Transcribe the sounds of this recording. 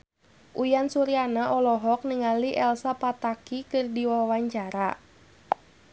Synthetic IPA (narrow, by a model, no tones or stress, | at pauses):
ʔujansuɾianaʔɔlɔɦɔk̚niŋaliʔɛlsapat̪akikɨrdiwawaɲt͡ʃaɾa